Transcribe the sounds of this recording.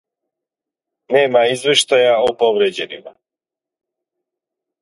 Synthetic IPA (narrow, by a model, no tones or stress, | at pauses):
nɛmaizvɛʃt̪ajaopɔvɾɛd͡ʑɛnima̰